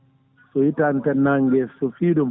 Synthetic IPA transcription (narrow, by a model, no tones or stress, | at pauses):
sɔjitantɛnaŋɡɛsɔfiːdɔm